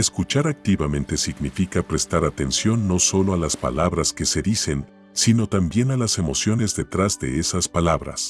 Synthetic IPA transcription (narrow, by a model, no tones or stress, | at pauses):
eskut͡ʃaɾak̚t̪iβamẽ̞nt̪e̞siɡnifikapɾe̞st̪aɾat̪e̞nsjo̞nːo̞so̞lo̞alaspa̰laβɾaske̞se̞ðise̞n | sino̞t̪ambje̞nalase̞mo̞sjo̞ne̞zðe̞t̪ɾazðe̞̰esaspalaβɾa̰s